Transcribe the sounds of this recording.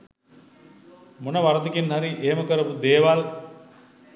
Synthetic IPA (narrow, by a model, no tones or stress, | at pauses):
monəʋaɾət̪əkinɦaɾiʔeɦeməkəɾəpud̪eːʋal